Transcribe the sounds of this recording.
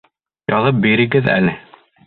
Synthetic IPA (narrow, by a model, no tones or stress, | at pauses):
jɒðɤp̚biɾɘ̆ɡɘðæ̰lɘ